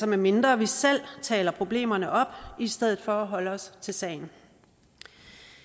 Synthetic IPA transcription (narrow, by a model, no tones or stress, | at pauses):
sɒ̽mæɐme̝nd̥ʁɐʋisel̰t͡sʰɛ̰ːlɐpʰʁo̝b̥le̝̰ːmɐnəʔɒ̽b̥isd̥eð̰̩ˠfɒ̽ːɦɒ̽ləɒ̽st͡sʰe̝lsɛ̰ɪn̩